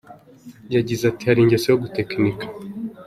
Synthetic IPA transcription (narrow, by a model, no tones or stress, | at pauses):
ɟaɟizatihaɾiɲɟɔsɛjɔɡutɛknikḁ